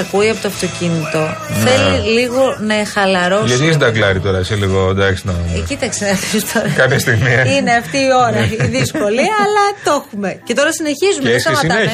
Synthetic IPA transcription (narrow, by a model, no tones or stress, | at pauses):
ɐkuiɐpo̞t̪oɐft̪o̞cinit̪o̞θe̞liliɣo̞nɐxɐlɐɾo̞ʝɐt̪is̬d̪ɐklɐɾit̪o̞ɾɐiseliɣod̪ɐksinɐmcit̪ɐksenɐfist̪ʰoɾɐkɐpçɐst̪iɣmiine̞ɐft̪iːo̞ɾɐiðisko̞liɐlɐt̪oxume̞ce̞t̪o̞ɾɐsine̞çizumesɐɐe